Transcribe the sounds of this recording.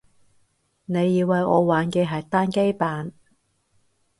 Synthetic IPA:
ne˨˧jːiː˨˧wːɐ˨jɔ̰ː˨˧waː˨˧nkɛ˧ɦɐ˨˩jt̪aː˥nke˥jpaː˨n

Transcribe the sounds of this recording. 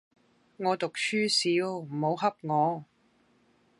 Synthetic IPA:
ŋɔː˨˧t̪ʊ˨k̚t͡ʃʰyː˥siː˨˧˥wm̩˨˩ho˨˧wɦɐ˥p̚ŋɔː˨˧

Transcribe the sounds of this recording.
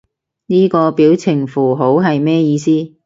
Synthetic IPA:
niː˥kɔː˧piː˨˥wt͡sʰɪ˨˩ŋfuː˨˩ɦo˨˥wɦɐ˨jmɛː˥jiː˧siː˥

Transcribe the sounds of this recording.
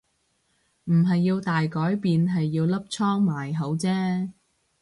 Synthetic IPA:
m̩˨˩ɦɐ˨jːiː˧wt̪aː˨jkɔː˨˥jpiː˨nɦɐ˨jːiː˧wlɐ˥p̚t͡sʰɔː˥ŋmaː˨˩jɦo˨˥wt͡sɛː˥

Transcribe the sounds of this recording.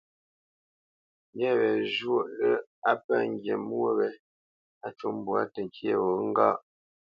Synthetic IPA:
ŋ˦ɡɛ˦˨βɛ˨ʒwo˦ʔlə˦a˦pə˦˨ŋ̩˦ɡje˨mwo˦βɛ˨ | a˦t͡ʃu˦m˦bwa̰˦tə˨ŋ̩˨kje˦˨wo˨˦ŋ̩˦ɡa̰ː˦ʔ

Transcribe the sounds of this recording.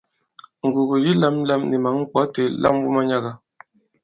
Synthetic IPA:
ŋ̩˨ɡu˨ɡu˨ji˦la˦m˦la˦mni˨ma˨˦ŋ̩˦k͡pɔ˨˦te˨lʔa̰˦˨m˦wu˦ma˦ɲa˦ɡa˨

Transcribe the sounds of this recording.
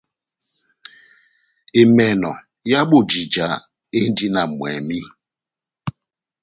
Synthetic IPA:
e˨me˨nɔ̰˨ | ja˦ɓo˦˨d͡ʒi˨d͡ʒa̰˨˦ | e˦n̩˦di˦na˨mwɛ̰˨mi˦

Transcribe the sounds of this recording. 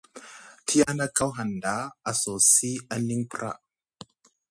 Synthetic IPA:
tʰi˦ja˦na˦ka˦wɦa˨nda˨˦a˨so˨si˦a˦ni˦ŋpɾa̰˦˨ʔ

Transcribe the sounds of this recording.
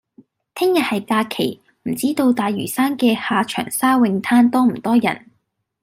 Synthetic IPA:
t̪ʰɪ˥ŋjɐ˨t̚hɐ˨jkaː˧kʰe˨˩j | m̩˨˩t͡siː˥t̪o˧wt̪aː˨˧jɥyː˨˩saː˥nkɛː˧haː˨t͡ʃʰœ̰ː˨˩ŋsaː˥wɪ˧ŋt̪ʰaː˥nt̪ɔː˥m̩˨˩t̪ɔː˥jɐ̰˨˩n

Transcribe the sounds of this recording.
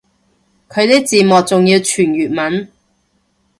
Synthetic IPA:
kʰɵ˨˧ɥt̪e˥kt͡siː˨mɔː˨˩k̚t͡sʊ˨ŋjiː˨˧wt͡ʃʰyː˨˩njyː˨t̚mɐ˨˥n

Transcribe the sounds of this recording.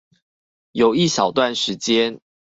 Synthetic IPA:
jo˨˩ʊi˥˩ɕɑ˨˩ʊt̪wa˥˨nʂɻ̩˨˦t͡ɕjɛ˦n

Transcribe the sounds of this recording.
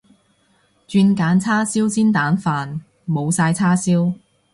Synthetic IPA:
t͡ʃyː˧nkaː˨˥nt͡sʰaː˥siː˥wsiː˥nt̪aː˨˥nfaː˧n | mo˨˧wsaː˧jt͡sʰaː˥siː˥w

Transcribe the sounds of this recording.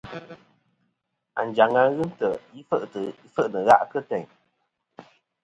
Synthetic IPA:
a̰˨n˨d͡ʒa˨ŋa˧˦ɣɨ˦mtə˨i˦fə˦ʔtə˨i˦fə˦ʔnə˨ɣa̰˦ʔkə˦tɛ˨ɲ

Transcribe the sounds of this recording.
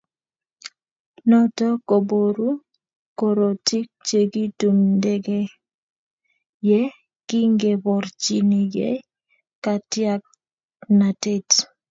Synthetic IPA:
nɔ˦tɔ˦ko˨bo˨ɾu˦ | ko˨ɾo˨ti˦k̚t͡ʃe˨ɡi˦tu˨mndɛ˦ɡe˦ | jɛ˦ | kɪ˦ŋɡe˨bɔ˨ɾt͡ʃi˨ni˨ɡḛ˦ | ka˨tja˦k̚ | na˨te˦t

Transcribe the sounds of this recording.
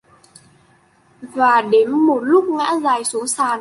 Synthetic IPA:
vaː˨˩ɗe˨˦nmo˨˩t̚lʊ˦˥k͡p̚ŋa̰ː˧˥zaː˨˩jsu˨˦əŋsaː˨˧˩n

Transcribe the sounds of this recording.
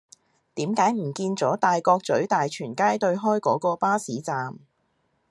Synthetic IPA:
t̪iː˨˥mkaː˨˥jm̩˨˩kiː˧nt͡sɔː˨˥t̪aː˨jkɔː˧k̚t͡sɵ˨˥ɥt̪aː˨jt͡ʃʰyː˨˩nkaː˥jt̪ɵ˧ɥɦɔː˥jkɔː˨˥kɔː˧paː˥siː˨˥t͡saː˨m

